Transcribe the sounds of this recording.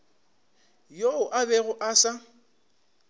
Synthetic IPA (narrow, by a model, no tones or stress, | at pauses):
joʊʔabɛɣʊʔasa